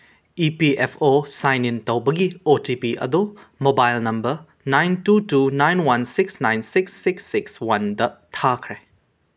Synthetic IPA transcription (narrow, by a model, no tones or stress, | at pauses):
ipiepʰosajnintɐwbɐɡiotipiʔɐ̰d̪u | mobajlnɐmbɐɾ | najntutunajnwɐnsiksnajnsiksːiksːikswɐndɐtʰakʰɾe